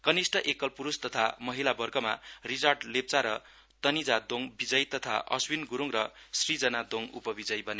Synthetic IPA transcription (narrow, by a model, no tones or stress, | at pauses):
kʌnisʈʌʔekʌlpuɾust̪ʌt̪ʰamʌɦilabʌrɡʌma̰rid͡zarɖlep̚t͡saɾʌ | t̪ʌnid͡zad̪oŋbid͡zʌjt̪ʌt̪ʰa̰ʔʌ̰swinɡuɾuŋrʌsrid͡zʌnad̪oŋṵpʌbid͡zʌjbʱʌne